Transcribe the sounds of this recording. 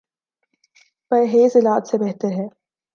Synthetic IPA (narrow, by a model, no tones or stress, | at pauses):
pɐɾɦeːzɪlaːt̪sebɛɦt̪əɾɦɛː